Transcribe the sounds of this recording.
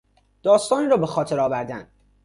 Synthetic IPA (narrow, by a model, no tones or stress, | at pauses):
d̪̥ɒːst̪ɒːnɾɒːbexɒːt̪ʰe̞ɾɒːvæɾd̪æn